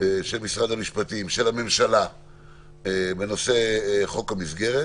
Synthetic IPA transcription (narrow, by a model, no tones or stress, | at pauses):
eʃelmisʁad̪hamiʃpat̪imʃe̞lame̞mʃala | ebe̞no̞se̞χo̞kamizɡe̞ʁe